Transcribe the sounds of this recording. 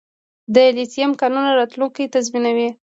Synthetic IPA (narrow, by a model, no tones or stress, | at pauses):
d̪əlisijamkanunaɾɑt̪luŋkijt̪azminawi